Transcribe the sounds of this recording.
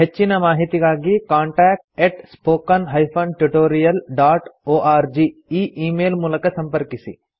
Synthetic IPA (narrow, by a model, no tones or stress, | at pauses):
ɦɐt͡ʃːinɐmaːɦit̪iɡaːɡikaːɳʈɛːk̚ʈeːʈspoːkɐnɦɐjpʰonʈuʈoːɾijɐlɖaːʈoːʔaːɾd͡ʒiːiːʔiːmeːlmulɐkɐsɐmpɐɾkisḭ